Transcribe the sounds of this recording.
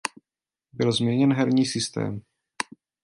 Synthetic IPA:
bɪlzmɲɛɲɛnɦɛɾɲiːsɪst̪ɛ̰ːm

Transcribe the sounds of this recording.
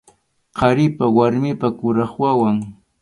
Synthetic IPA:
qɑɾɪpawaɾmɪpakʊɾɑχwawaŋ

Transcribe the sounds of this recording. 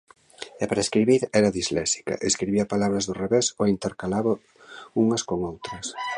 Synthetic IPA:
ɛpaɾaeskɾiβiɾɛɾɐðizlɛsi̥kɐ̰ʔeskɾiβiɐpalaβɾɐzðʊreβesoint̪eɾkalaβa | uŋɐskoŋowt̪ɾɐs

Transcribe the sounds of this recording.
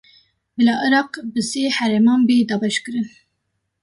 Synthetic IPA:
bɨlɑːʔəɾɑːqbɨseːhæɾemɑːmbeːd̪ɑːbɛʃkɨɾɨn

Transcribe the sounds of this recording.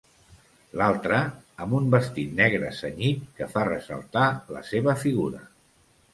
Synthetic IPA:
lalˠt̪ɾəːmbumbəst̪it̪nɛɣɾə̰səɲit̪̚kəfarəzə̰lˠt̪alə̰seβəfiɣuɾə̰

